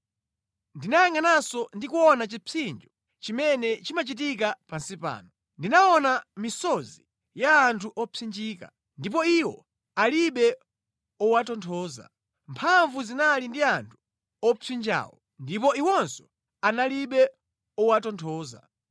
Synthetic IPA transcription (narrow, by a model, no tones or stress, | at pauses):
ndinajaŋanasɔndikuɔnat͡ʃipʰind͡ʒɔ | t͡ʃimɛnɛt͡ʃimat͡ʃit̬ikapansipa̰ːnɔ | ndinaɔnamisɔzi | jaːntʰuʔɔpʰind͡ʒiːka̰ | ndip̬ɔiwɔ | aliɓɛ | ɔwatɔntʰɔːza̰ | mpʰaɱvuzinalindiantʰu̥ | ɔpʰind͡ʒa̰ːwɔ̰ | ndipɔiwɔnsɔ̥ | analiɓɛ | ɔwatɔntʰɔːza̰